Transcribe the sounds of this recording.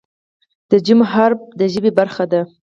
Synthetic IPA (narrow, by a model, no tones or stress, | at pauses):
d̪̥əd͡ʒɪmɦaɾb̚d̪əʒəbebaɾxad̪a